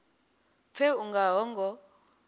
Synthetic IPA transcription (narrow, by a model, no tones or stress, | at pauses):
fʰɛuŋɡaɦɔŋɡɔ